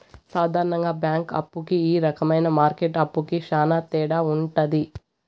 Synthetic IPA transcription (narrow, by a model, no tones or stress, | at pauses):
saːd̪ʱaːɾɐɳɐŋɡaːbjaːŋkɐ̰pːukiːɾɐkɐmɐjnɐmaːɾkeʈɐpːukiʃaːnaːt̪ɛːɽaːuɳʈɐd̪i